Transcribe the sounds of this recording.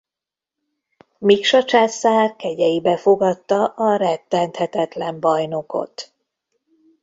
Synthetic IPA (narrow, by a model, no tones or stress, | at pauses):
mikʃɒt͡ʃaːsaːrkɛɟɛjibɛfo̞ɡɒt̪ːɒʔɒɾɛt̪ːɛnt̪hɛt̪ɛt̪lɛmbɒjno̞ko̞̰t̪